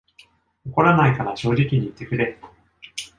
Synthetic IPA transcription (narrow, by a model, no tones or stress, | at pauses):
oko̞ɾanaikaɾaɕo̞ːʑikʲiɲ̟iːt̪ːe̞kɯ̟ɾe̞ɾɯ